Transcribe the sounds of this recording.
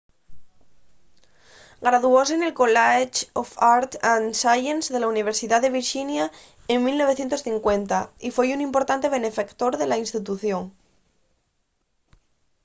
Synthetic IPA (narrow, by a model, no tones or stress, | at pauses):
ɡɾaðuosene̞lkolat͡ʃofaɾt̪ansajenzðe̞launiβ̞eɾsiðaðe̞βiɾʃinja | eŋmilno̞βθje̞nt̪osθiŋkwe̞nt̪aifwe̞junĩmpo̞ɾt̪ant̪e̞β̞e̞ne̞fakt̪oɾðe̞lainst̪it̪̬uθjo̞ŋ